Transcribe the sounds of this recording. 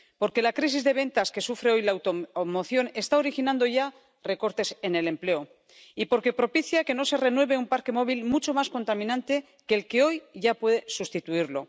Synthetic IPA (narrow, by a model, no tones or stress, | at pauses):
po̞ɾke̞lakɾis̬izðe̞β̞e̞nt̪aske̞sufɾeo̞jlawt̪omo̞θjo̞ne̞st̪ao̞ɾixinãnd̪o̞ʝa | re̞ko̞ɾt̪e̞se̞ne̞le̞mple̞o | ipo̞ɾke̞pɾo̞piθjake̞no̞se̞re̞nwe̞βe̞umpaɾke̞mo̞β̞ilmut͡ʃo̞masko̞nt̪amĩnãnt̪e̞ | ke̞ːlke̞o̞jʝapwe̞ðe̞sust̪it̪uiɾlo̞